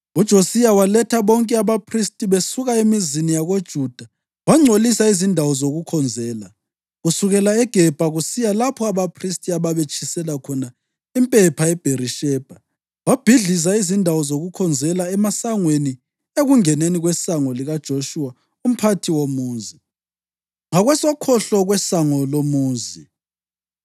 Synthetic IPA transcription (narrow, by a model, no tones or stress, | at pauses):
ud̥ʒ̥ʱosijawalɛtʰaβɔŋkʼɛaβapʰristʼiβesuɣaemizinijaɣod̥ʒ̥ʱuːd̥ʱa | waŋ͡ǀʱolisaizindʱawɔzoɣukʰɔnd͡zʱɛːla | ɣusuɣɛlaɛɡ̥ʱɛb̥ʱaɣusijalapʰɔaβapʰristʼiaβaβet͡ʃʰʼisɛlakʰɔna | impʼɛpʰaɛb̥ʱeriʃɛːb̥ʱa | wab̥ʱiɮis̬aizindʱawɔzoɣukʰɔnd͡zʱɛlaɛmasaŋweni | eɣuŋɛneniɣwɛsaŋɔliɣad̥ʒ̥ʱoʃua | um̩pʰatʰiwomuːnzi | ŋaɣwɛsɔkʰɔɬɔɣwɛsaŋɔlomuːnzi